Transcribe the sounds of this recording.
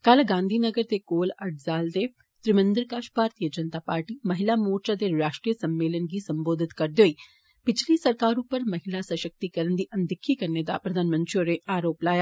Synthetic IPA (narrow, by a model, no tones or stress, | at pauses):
kalɡãːnd̪ʱinɐɡəɾt̪ekoːlɐʈʰzaːld̪eː | t̪ɾɪmə̃nd̪əɾkaːʃbʱaːɾt̪ijəd͡ʒɐnt̪apaːɾʈimɐɦɪlamoːɾt͡ʃad̪eɾaːʃʈɾijəsɐmːeːlənɡisɐ̃mboːd̪ʱɪt̪kɐɾd̪joːiː | pɪt͡ʃʰlisɐɾkaːɾũpəɾmɐɦɪlasɐʃək̚t̪ikɐɾənd̪iʔɐ̃nd̪ɪkʰːikɐɾned̪a̰pɾɐd̪ʱaːnmə̃nt̪ɾijoɾeʔaːɾoːplaːjaː